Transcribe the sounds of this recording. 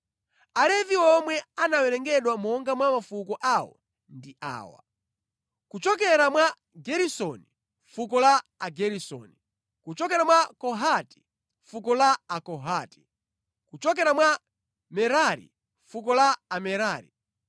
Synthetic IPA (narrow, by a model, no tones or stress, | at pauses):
alɛviɔmwɛanawɛɾɛŋɡɛɗwamɔŋɡamwamafukɔʔawɔ̰ | ndiʔa̰ːwa̰ | kut͡ʃɔk̬ɛɾamwa | ɡɛɾisɔni | fukɔlaːɡɛɾisɔ̰ni | kut͡ʃɔkɛɾamwakɔɦati̥ | fukɔlaakɔɦati̥ | kut͡ʃɔk̬ɛɾamwa | mɛɾaɾḭ | fuk̬ɔlaːmɛɾaːɾḭ